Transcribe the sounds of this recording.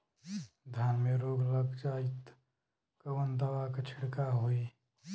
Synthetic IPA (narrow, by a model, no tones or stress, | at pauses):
d̪ʱjaːnmeɾoːɡləɡd͡ʒaːit̪ | kəʋənd̪əʋakət͡ʃʰɪɽkaɦoi